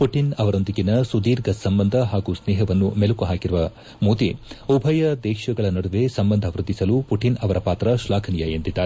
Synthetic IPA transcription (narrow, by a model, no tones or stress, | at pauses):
puʈinɐʋɐɾo̞nd̪iɡinɐsud̪iːɾɡɐsɐmbɐnd̪ʱɐɦaːɡusnɛːɦɐʋɐnːumelukuɦaːkiɾuʋɐ | muːt̪iubʱɐjɐd̪ɛːkʂɐɡɐɭɐnɐɽuʋe̞sɐmbɐnd̪ʱɐʋɾud̪ːisɐlupuʈinɐʋɐɾɐpaːt̪ɾɐʃlaːkʰɐnijɐent̪id̪ːaːɾe